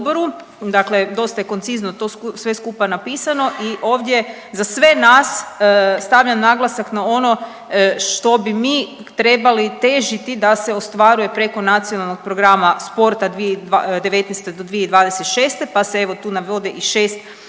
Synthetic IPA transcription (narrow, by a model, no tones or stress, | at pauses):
boɾu | d̪akled̪o̞st̪aje̞ko̞nt̪siznot̪o̞sʋe̞skupanapiːsano̞ʔiʔo̞ːʋd̪ʲje̞ | zasʋe̞nasst̪aʋʎamnaɡlˠasaknao̞no̞ | ʃt̪o̞bimiː | t̪ɾe̞balit̪e̞ʒit̪id̪ase̞o̞st̪ʋaɾuje̞pɾe̞ko̞nat̪sionalno̞ɡ̚pɾoɡɾamaspo̞ɾt̪ad̪ʋied̪ad̪e̞ʋe̞t̪nɛst̪ed̪od̪ʋijeid̪ʋaːd̪eset̪ʃe̞ːst̪e̞pasee̞ʋo̞t̪uːnaʋo̞d̪eʔiʃe̞ːst̪